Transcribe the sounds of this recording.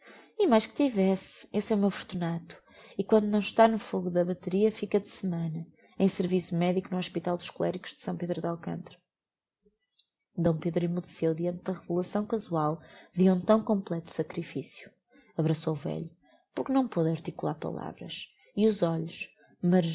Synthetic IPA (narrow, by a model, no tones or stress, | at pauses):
imajʃkt̪ivɛsesɛumewfuɾt̪unat̪u̥ | ikwɐ̃nd̪unɐ̃w̃ʃt̪anufoɣuðɐβɐt̪ɨɾiɐfikɐðɨsɨmɐ̃nɐ | ẽj̃sɨɾvisumɛðikunuɔʃpit̪alˠd̪uʃkulˠɛɾikuʒ̥ðɨ̥sɐ̃w̃peðɾuðalˠkɐ̰̃nt̪ɾɐ | d̪ɐ̃w̃peðɾuimuðɨsewðiɐ̃nt̪̚ðɐʁɨvulˠɐsɐ̃w̃kɐzwalˠðiũt̪ɐ̃w̃kõmplˠɛt̪u̥sɐkɾifisju | ɐβɾɐsowuvɛ̰ʎu | puɾknɐ̃w̃poðɐɾt̪ikulˠa̰ɾpɐ̰lˠa̰vɾɐ̰ʃ | iuzɔʎuʃ | mɐ